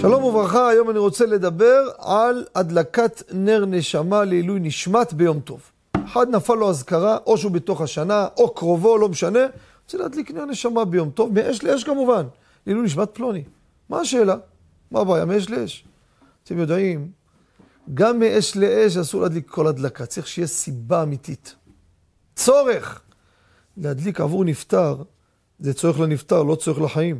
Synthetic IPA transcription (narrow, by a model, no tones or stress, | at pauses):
ʃalo̞muvʁaχaːjo̞maniʁo̞t͡se̞le̞d̪abe̞ʁalad̪lakat̪ne̞ʁne̞ʃamaleilujniʃmat̪be̞jo̞mt̪o̞̰v | eħad̪nafalːoazkaʁaʔo̞ʃeubet̪o̞χaʃanaʔokʁo̞vo̞lo̞meʃane̞ | ot͡selead̪likneʁne̞ʃamabe̞jo̞mt̪o̞vmeʔeʃleeʃ̬kamuvan | lilujniʃ̬mat̪̚plo̞ni | maːʃeːla | mabaːjameeʃ̬leeʃ | t̪emjod̪aim | ɡamːeʔeʃleʔeʃ̬asuʁlead̪likʰːo̞lhad̪lakat͡saʁiχʃejesibaːmit̪it̪ | t͡so̞ʁeχ | lehad̪lika̰vuʁnift̪aʁ | zet͡soeχlanift̪aʁlo̞t͡soʁelaħaim